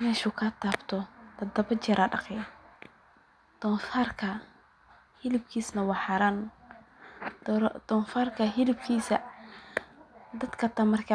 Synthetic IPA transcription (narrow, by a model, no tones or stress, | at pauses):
ɪnɛʃʊkʰat̪aːbt̪ʰɔt̪ɐd̪ɐbɐt͡ʃɛɾaɗɑ̰qɛ | t̪ɔnfaːrkʰɐ | hɪlɪb̚kʰiːsnɐwaħaɾaːn | d̪ɔnfarkɐɦɪlɪb̚kʰiːsɐ | d̪ɐd̪kʰɐt̪amɐrka